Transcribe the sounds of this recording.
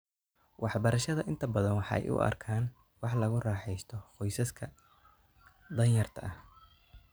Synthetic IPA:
wʔɑħbɐɾɐʃɐðɐʔɪnt̪ʰɐbɐðɐnwɑħɑ̰ɛ̰jʔʊ̰ʔɐ̰rkʰaːn | wɑħlɐɣʊrɑːħɛjst̪ʰɔqɔjsɐskʰɐ | d̪ɐnjɐrt̪ʰɐʔɐh

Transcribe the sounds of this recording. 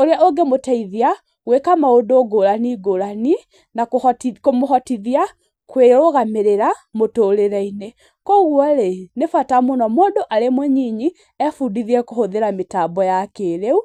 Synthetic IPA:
oɾeaoɡemotaiðia | wekamaodoːɡoɾaniɡoɾani | naktkomoɦɔtiðia | kweoɣameɾeɾamotoɾeɾɛine | kɔɣwɔɾenefwatamonɔmoːdoʔaɾemwɛɲiɲi | ɛfudiðiɛkohoðeɾametabɔjakeːɾeu

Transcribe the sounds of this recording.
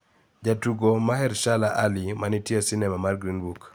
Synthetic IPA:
d͡ʒatuɡomahɛɾʃalaʔalimanitjesɪnɛmamarɡɾinbuk

